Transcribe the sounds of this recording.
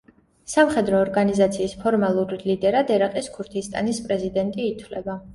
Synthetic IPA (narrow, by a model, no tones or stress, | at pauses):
samχɛd̪ɾɔːɾɡanizat̪sʰiːspʰɔɾmalˠuɾilid̪ɛɾad̪ɛɾaqʼiskʰuɾt̪ʰist̪ʼa̰nispʼɾɛzid̪ɛnt̪ʼiːt̪ʰwlɛba